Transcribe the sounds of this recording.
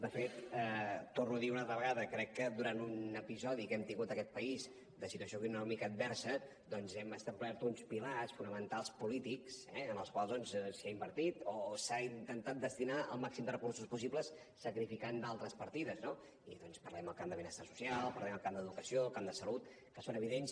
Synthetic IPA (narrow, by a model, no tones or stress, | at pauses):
d̪əfet̪əːornuəðiunalˠt̪ɾəβəɣaðəkɾɛkːəd̪uɾant̪unəpizɔðikɛmt̪iŋɡut̪əkɛt̪̚pəiz | d̪əsit̪uəsjoəkunɔmikəːd̪̚bɛrsə | d̪ɔnzɛməst̪auβlɛɾt̪unspilasfunəmənt̪alˠspulit̪iksɛənəlˠskwalˠzðɔnssiaimbəɾt̪it̪osaint̪ənt̪at̪̚d̪əst̪inaə̰lˠmaksimd̪ərəkuɾsuspusibləsː | əkɾifikand̪alˠt̪ɾəspəɾt̪iðəzno | ḭðɔnspərlɛməlˠkamd̪əβinəst̪asu̥sialˠpəɾlɛməlˠkamd̪əðukəsiokamd̪əsəlut̪ | kəsonəβiðens